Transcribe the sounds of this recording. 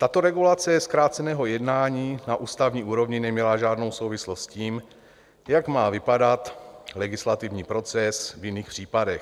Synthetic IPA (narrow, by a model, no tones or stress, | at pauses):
t̪at̪o̞ɾɛɡulat͡sɛskɾaːt̪t͡sɛnɛːɦo̞jɛdnaːɲiːnaʔuːst̪avɲiːʔuːɾo̞vɲɪnɛmɲɛlaʒaːdno̞wso̞wvɪslo̞st̪sciːm | jaɡmaːvɪpadat̪lɛɡɪslat̪ɪvɲiːpɾo̞t͡sɛsvjɪniːxpr̝̥iːpadɛx